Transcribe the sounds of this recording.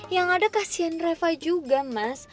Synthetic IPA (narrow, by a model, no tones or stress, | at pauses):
jaŋadakasiɛnrɛfajd͡ʒuɡamas